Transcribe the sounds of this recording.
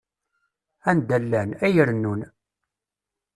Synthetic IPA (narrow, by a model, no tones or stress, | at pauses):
ænd̪ælːænæjəɾənːun